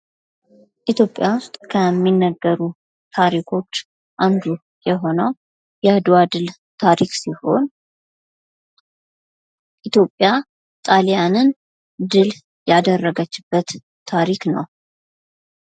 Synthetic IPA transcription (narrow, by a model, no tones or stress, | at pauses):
ʔit̪ʰjo̞pʼjawʊst̪ʼkʰəmːinːəɡːəɾu | t̪ʰaɾikʰo̞t͡ʃː | ʔand̪u | jɛɦo̞nəw | jɛad̪ad̪ɨl | t̪ʰaɾiksiho̞̰n | ʔit̪ʰjo̞pʼːja | t̪ʼaljanɨn | d̪ɨl | jad̪ərːəɡət͡ʃːɪbːət̪ʰː | aɾiknəw